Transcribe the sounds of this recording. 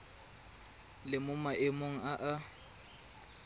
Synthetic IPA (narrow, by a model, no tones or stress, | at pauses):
lɪmʊmaʔɪmoŋ̩aʔa